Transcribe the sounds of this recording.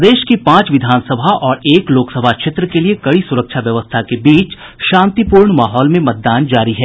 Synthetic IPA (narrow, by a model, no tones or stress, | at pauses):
d̪eːʃkipãːt͡ʃʋɪd̪ʱaːnsəbʱaʔɔːɾeːkloːksəbʱaʃɪt̪ɾəkeliekɐɽisʊɾəkʃʰaʋjɐʋəst̪ʰakebiːt͡ʃ | ʃãːnt̪ipuːɾɳmaːɦɔːlmẽmɐt̪̚d̪aːnd͡ʒaːɾiɦɛː